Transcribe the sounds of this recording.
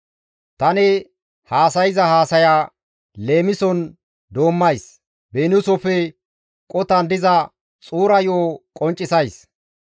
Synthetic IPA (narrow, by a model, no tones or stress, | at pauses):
t̪ɐnɛ | haːsɐjɪzɐhaːsɐjaː | le̞ːmɪsɔn | d̪oːmːɐjs | beːnʊsɔfɛ | kʼɔt̪ɐnd̪ɪzɐ | t͡sʼuːɾɐjoːkʼɔnt͡ʃʼːɪsɐjs